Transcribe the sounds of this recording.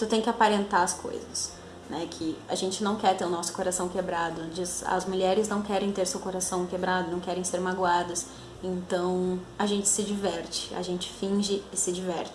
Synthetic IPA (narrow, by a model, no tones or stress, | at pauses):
t̪ʊt̪ẽj̃kɪapaɾẽnt̪aɐskʰo̰jzɐs | nɛkʰɪa̰ʒẽnt͡ʃɪnɐ̃w̃kɛɾt̪eɾʊnɔsʊ̥koɾasɐ̃w̃kebɾad̪ʊd͡ʒizɐ̰zmuʎɛɾɪznɐ̃w̃kɛɾẽj̃t̪eɾsewkoɾasɐ̃w̃kebɾad̪ʊnɐ̃w̃kɛɾẽj̃seɾmaɡwad̪ɐs | ẽnt̪ɐ̃w̃ɐʒẽnt͡ʃɪ̥sɪd͡ʒivɛɾt͡ʃɪ̥ɐ̰ʒẽnt͡ʃɪ̥fĩʒɪːsɪd͡ʒivɛɾt͡ʃɪ